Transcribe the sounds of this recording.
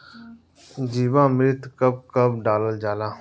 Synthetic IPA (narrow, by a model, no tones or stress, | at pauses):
d͡ʒiːbãːmɾɪt̪kəb̚kəbɖaːləld͡ʒaːlaː